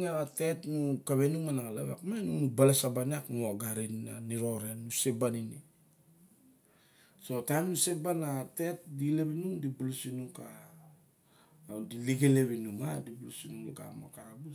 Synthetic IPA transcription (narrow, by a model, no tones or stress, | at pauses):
aβate̞tnukaβe̞numanaŋalaβakmanunubalesabaniaknuoɡaɾinaniɾo̞ɾenːusebanini | so̞tajmnusek̚banate̞t̚dile̞βinumdibulusinuka | diliɡele̞βinumadibulusinuuka̰mo̰kabu